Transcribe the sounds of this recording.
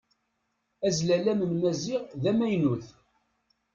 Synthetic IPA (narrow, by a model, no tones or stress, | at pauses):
æzlælæməmnæziʁðæmæjnuθ